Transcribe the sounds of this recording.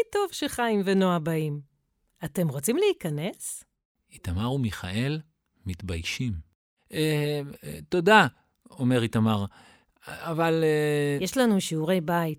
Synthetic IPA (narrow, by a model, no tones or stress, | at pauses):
jto̞vʃeχaimvenoabaim | ate̞mʁot͡simleikane̞s | it̪amaʁumiχa̰ʔe̞l | mit̪bajʃim | e | t̪o̞da | ome̞ʁit̪amaʁ | avaljeʃlanuʃiuʁe̞jbait̚